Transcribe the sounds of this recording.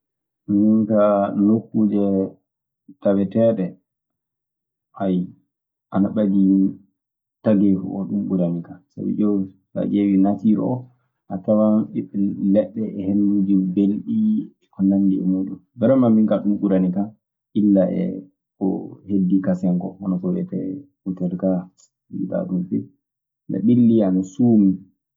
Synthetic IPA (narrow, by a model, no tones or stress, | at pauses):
miŋkanokːud͡ʒɛ | tawɛtɛɗɛ | ʔaj | ʔanaɓadi | taɡefṵʔɔɗumɓuɾanikasa̰bḭd͡ʒɔw | ka̰d͡ʒewinatiɾɔ̰ɔ | ʔatawaɓiɓɛlɛɗːɛɛhenːud͡ʒibelɗi | kɔnandiɛmuɗumbɛɾamamiŋkaɗumɓuɾanika | ʔilːaɛ̰ | ɔ̰hedːikasɛŋkɔ̰hɔnakɔbɛ̰tɛ̰ | utɛlka | iɗa̰ɗunfɛ | la̰ɓilːianasuːmi